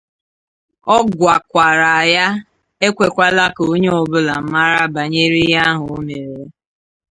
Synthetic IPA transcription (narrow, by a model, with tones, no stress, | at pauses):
ɔ˦ɡʷa˨kʷa˨ɾa˨ja˦ | e˦kʷe˨kʷa˦la˦ko˦ɲe˦ɔ˨bʊ˦la˨m̩˦ma˦ɾa˦ba˨ɲe˦ɾi˦ja˦ɦʊ˨o˦me˨ɾe˨˦